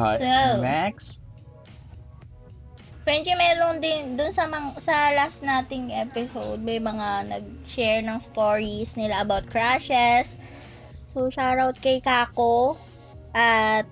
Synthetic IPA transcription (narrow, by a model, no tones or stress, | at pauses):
ɛmaks | fɹɛnt̪limɛːɾond̪ɪnd̪ʊnsɐmɐŋsɐlasnaːt̪ɪŋʔɛpɪsowd̪̚mɐjmɐŋanɐ̰ɡ̚ʃɛɹnɐŋst̪oːɹisnɪlaʔɐbawt̪̚kɹaʃɛsː | oʃawɹawt̪̚kɐjkaːko | ʔɐt̪̚